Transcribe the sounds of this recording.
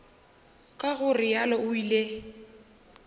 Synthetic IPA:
kʼaɣʊrɪjalɔʊiːle

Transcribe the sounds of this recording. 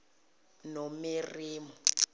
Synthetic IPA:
nomiriːmɔ

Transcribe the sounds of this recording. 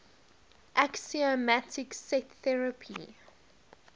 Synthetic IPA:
ʔaksiomatʰɪksɛtθɛɹəpʰi

